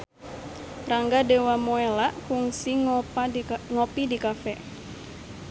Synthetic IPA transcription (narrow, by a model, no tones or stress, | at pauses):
raŋɡadewamoɛlaʔkuŋsiŋ | ŋopidikafɛ